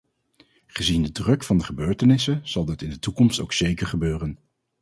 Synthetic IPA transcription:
χəzindədrɵkfɑndəχəbøːɹtənɪsəz̥ɑlˠdɪtɪndətukɔmsto̰wksejkəɹχəbøːrən

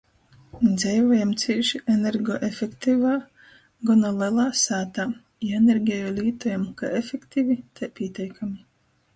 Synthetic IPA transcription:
d̪zɛjvɔːjamt̪siiʃiʔeneɾɡɔʔefʲekt̪ivaː | ɡɔnɔlˠɛlˠaːsaːt̪aː | jenʲeɾɡʲɛjɔːlʲiːt̪ɔjamka̰efʲekt̪ivʲit̪ʰajpʲiɛt̪ʲɛjkʰamʲi

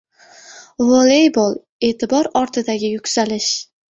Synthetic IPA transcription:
volˠejbolˠ | e̞ːt̪ʰɪbɒɾɒɾt̪ʰɪd̪aɡʲɪjʊkʲsalɪʃ

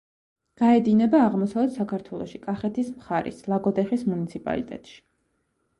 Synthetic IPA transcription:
ɡ̥aɛd̪inɛbaːʁmɔsavɛt̪sakʰaɾt̪ʰwɛlˠɔʃikʼaχɛt̪ʰismχaɾḭslˠaɡɔd̪ɛχismunit̪sʰipʼa̰lit̪ʼɛ̰t̪ʼʃi̥

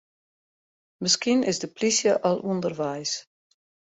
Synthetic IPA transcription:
məskinɪzdəpʰlisjəʔɔlˠʔundərʋɛjs

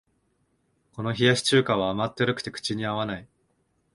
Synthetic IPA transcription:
ko̞no̞çijaɕi̥t͡ɕɨːkãβaːmat̪ːeɾɯ̟kɯ̥t̪e̞kɯ̟̥t͡ɕiɲ̟iaβ̞anai

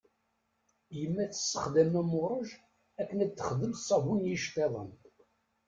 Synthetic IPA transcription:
jəmːæθə̥sːəχd̪æmæmʊɾˤəʒ | ækːənæd̪θə̥χðəlsˤɑvunjiʃt̪ˤeðˤə̰n

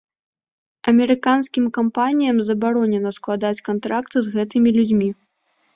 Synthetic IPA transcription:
ɐmʲɛɾɨkanskʲimkampanʲijɐmzɐbaɾɔnʲɛnɐsklˠad̪at͡sʲkant̪ɾakt̪ɨzɣɛt̪ɨmʲilʲud͡zʲmʲi

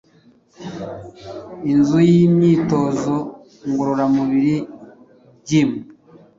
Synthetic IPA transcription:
inzujimɲiːto̞zo | ŋɡuɾuɾamuβiɾi | ɟimu

